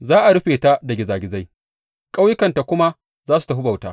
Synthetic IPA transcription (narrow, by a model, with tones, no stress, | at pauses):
zaː˦ʔa˨ɽʊ˦ɸeː˨ta˦da˨ɡʲɪ˨zaː˨ɡʲɪ˨za˦j | kʼa˦wjɪ˦kɐ˨nta˨kʷʊ˦ma˦ | zaː˦s̬u˨ta˨ɦʊ˦ba˨wtaː˦